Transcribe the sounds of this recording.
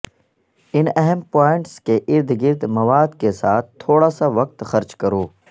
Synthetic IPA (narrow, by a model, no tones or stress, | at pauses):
ɪnɛɦəmpaːɪ̃ɳʈskeʔɪɾd̪ɡɪɾd̪mɐʋaːd̪kesaːt̪̚ʰt̪ʰːoːɽasaʋɐk̚t̪xɐɾt͡ʃkɐɾoː